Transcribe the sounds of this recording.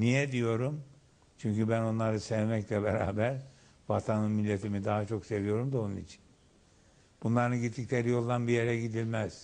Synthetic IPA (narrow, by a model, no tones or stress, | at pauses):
nijɛd̪ijo̞ɾum | t͡ʃʰyɲcybæno̞nlˠaɾɯsɛvmɛclʲɛbeɾa̰ːbæɾ | vat̪ʰanɯnmilʲːet̪ʰimid̪aɦat͡ʃʰo̞kse̞vijo̞ɾumd̪o̞nunit͡ʃʰi̥n | b̥unlˠaɾɯnɟit̪ːiclʲeɾijo̞lˠd̪anbijeɾɛɟid̪ilʲmɛz̥